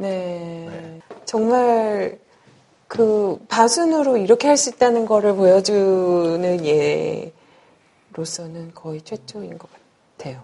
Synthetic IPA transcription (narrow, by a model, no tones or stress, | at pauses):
ne̞ | t͡ɕʌŋmaɭ | kɯpasʰunɯɾoiɾʌkʰe̞ɦaɭs͈uit̚t͈anɯnɡʌɾɯɭpojʌd͡ʑunɯnje̞ | ɾos͈ʰʌnɯnkʌit͡ɕʰwe̞t͡ɕ͈ʰoinɡʌk͈ḁ | tʰe̞jo